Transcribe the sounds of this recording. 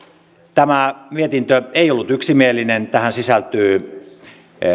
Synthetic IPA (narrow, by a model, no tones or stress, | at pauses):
t̪æmæmiet̪int̪øeiolːut̪yksimielinent̪æhænsisælt̪yː